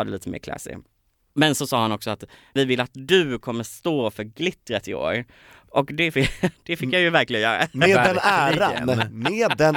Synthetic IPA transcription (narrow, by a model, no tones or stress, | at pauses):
d̪ɛliːt̪əmḛːɾkʰlɛ̰sɪ̰ | mɛnsɔsɑːhanɔksɔat̪ | vɪvɪlːat̪d̪ɵkʰɔmːəst̪oːfœɾɡlɪt̪ːɾət̪ɪo̰ːɾ | ʔɔkd̪ɛfɪd̪̥ɛfɪkjajɵvæɾklɪɡənjœːɾa̰meːd̪ɛnæːɾan̰meːd̪ɛn